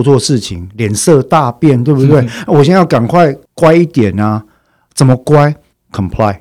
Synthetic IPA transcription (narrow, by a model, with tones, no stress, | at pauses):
t͡swɔ˥˧ʂɻ̩˥˨t͡ɕʰi˨˦ŋljɛ˨˩˦nsɤ˥˧t̪a˥˧pjɛ˥˨nt̪we˥˧ɪbu˥t̪we˥˩ɪ˦wɔ˨˩ɕjɛ˥nja˥˩ʊka˨˩nkʰwa˥˨ɪkwa˥˦ɪi˥˩t̪jɛ˨˩na˦ | t͡sə˨˩nmə˦kwa˦ɪ | kʰə˨mpʰla˥˧ɪ